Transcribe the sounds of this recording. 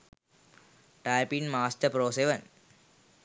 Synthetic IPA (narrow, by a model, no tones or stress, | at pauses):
ʈajpinmaːsʈəpɾoːseʋən